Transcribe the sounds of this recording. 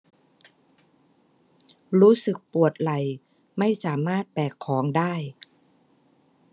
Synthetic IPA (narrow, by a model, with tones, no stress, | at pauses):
ɾuː˦˥sɯ˨˩k̚pu˨˩ət̪̚la˨˩j | ma˥˩jsaː˩˦maː˥˩t̪̚pɛː˨˩kʰːɔː˩˦ŋdaː˥˩j